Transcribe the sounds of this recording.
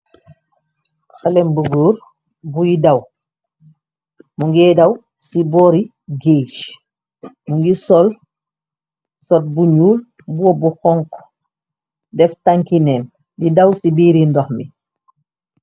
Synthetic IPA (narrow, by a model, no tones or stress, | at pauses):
xalɛmbuɡuːɾ | bujidaw | muŋɡɛdaw | sibɔɾi | ɡet͡ʃ | muŋɡisɔl | sɔt̚buɲuːl | buwɔbuxɔŋk | dɛftaŋkinɛːn | didawsibiːɾindɔxmi